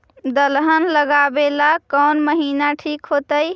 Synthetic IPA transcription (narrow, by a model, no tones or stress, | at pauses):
d̪əlɦənləɡabelakənməɦinaʈʰikɦot̪əj